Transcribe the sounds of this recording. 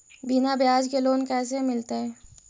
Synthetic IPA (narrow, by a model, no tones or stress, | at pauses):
bɪnabejaːd͡ʒkeloːnkɛːs̬emɪlt̪eɦɛː